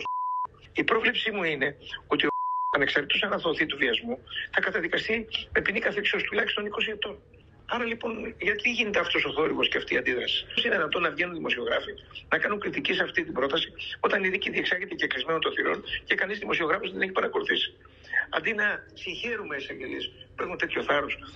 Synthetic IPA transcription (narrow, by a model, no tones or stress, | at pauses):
ipɾo̞vlepsimuine̞o̞t̪iɐne̞ksɐɾt̪t̪us̬ɐnɐθoθit̪uviɐzmuθɐkɐt̪ɐðikɐst̪ime̞pinikɐθiksio̞st̪ulɐçist̪o̞niko̞siep̚t̪o̞n | ɐɾɐlipo̞nʝɐt̪iʝinet̪eɐft̪o̞so̞θo̞ɾiɣo̞sceɐft̪iːɐnd̪iðɾɐsi̥sineðinɐt̪o̞nɐvʝe̞nunðimo̞sio̞ɣɾɐfinɐkɐnuŋkɾit̪icisɐft̪it̪ibɾo̞t̪ɐsio̞t̪ɐniðiciðieksɐɾʝet̪eceklizme̞not̪oθiɾo̞̰nce̞kɐnizðimo̞sio̞ɣɾɐfosðeneç̬i̥pɐɾɐko̞luθisi̥ | ɐ̰nd̪inɐsiɲçe̞ɾumeesɐɟelispexunt̪e̞t̪ço̞θɐɾos